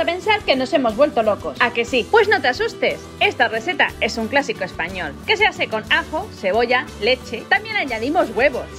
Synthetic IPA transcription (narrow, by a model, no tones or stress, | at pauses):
ape̞nsaɾke̞no̞se̞mo̞zβwe̞lt̪o̞lo̞ko̞sake̞sipwe̞zno̞t̪easust̪e̞se̞st̪are̞θe̞t̪a̰e̞suŋklasiko̞espaɲo̞lke̞seaθe̞ko̞naxo̞se̞β̞o̞ʝale̞t͡ʃe̞t̪ambje̞naɲaðimo̞zɣwe̞βo̞s